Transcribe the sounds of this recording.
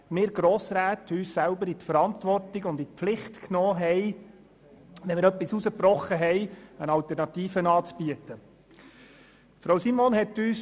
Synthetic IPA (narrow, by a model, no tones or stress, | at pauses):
mɪːɾɡɾɔːsɾæːtʰyːssælbəɾitfəɾɑntʋɔrtiɡʊnditpflɪχtknɔːɦɛɪ | ʋɛnmɪːɾœpːisusəprɔχːəɦɛjənɑltɛɾnɑtiːfənɑːt͡sb̥iətə | fɾɑwsimoːnɦɛtːyːs